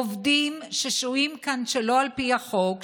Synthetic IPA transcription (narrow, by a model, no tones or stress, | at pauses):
ovdimʃeʃuimkanʃelo̞alpiaχo̞k